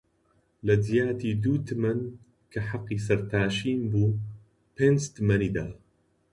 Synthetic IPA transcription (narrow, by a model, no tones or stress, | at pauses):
lɐd̪ijaːt̪iːd̪uːt̪mɐn | kaħɑqːisɐɾt̪aːʃiːmbuː | penst̪mɐnid̪aː